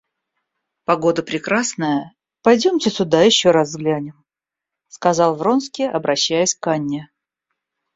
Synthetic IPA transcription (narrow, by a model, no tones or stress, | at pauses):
pɐɡo̞d̪əpɾʲɪkɾasnəjə | pɐjdʲomtʲɪsʲʊd̪ajɪɕːoɾazːɡlʲænʲɪm | skɐzɑlˠvro̞nskʲɪɐbɾʔɐɕːæjəsʲkanʲːɪ